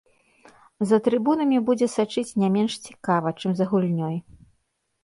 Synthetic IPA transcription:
zɐt̪ɾɨbunɐmʲibud͡zʲɛsat͡ʂɨt͡sʲnʲamʲɛnʂt͡sʲi̥kavɐt͡ʂɨmzɐɣulʲnʲɔj

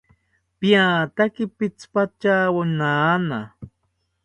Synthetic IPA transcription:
pjaːt̪akipit͡spat͡ʃawʊnaːna

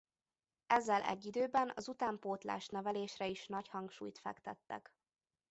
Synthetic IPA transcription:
ɛzːɛlʔɛ̰ɟːid̪øːbɛnɒ̰zut̪aːmpoːt̪la̰ːʃnɛvɛleːʃrɛiʃnɒchɒŋkʃṵːjt̪fɛ̰kt̪ɛt̪ːɛ̰k

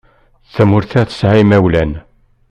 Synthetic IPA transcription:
θæmʊɾθæθə̥sʕimæwlæn

